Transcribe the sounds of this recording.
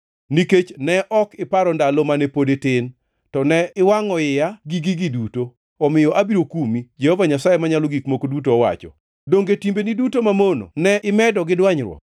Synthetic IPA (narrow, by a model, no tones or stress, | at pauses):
niket͡ʃnɛʔɔkɪpaɾɔndalɔmanɛpodetɪn | tɔnɛɪwaŋɔɪjaɡiɡiɡiduto | ɔmɪjɔʔabiɾokumid͡ʒɛhɔvaɲasajemaɲalɔɡikmokodut̬oːwa̰t͡ʃɔ̰ | doŋɡetimbenidutomamono̰nɛʔɪmɛdɔɡɪdwaɲɾwɔ̰